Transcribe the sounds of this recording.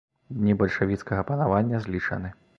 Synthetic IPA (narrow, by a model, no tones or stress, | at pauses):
d̪ʲnʲibɐlʲʂavʲit̪skɐɣɐpɐnavanʲːɐzʲlʲit͡ʂɐ̰nɨ